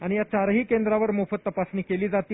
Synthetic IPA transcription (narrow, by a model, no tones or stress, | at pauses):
aɽ̃ijat͡ɕaɾɦiːkend̪ɾaʋəɾmofət̪ːəpasniːkeliːd͡zat̪iː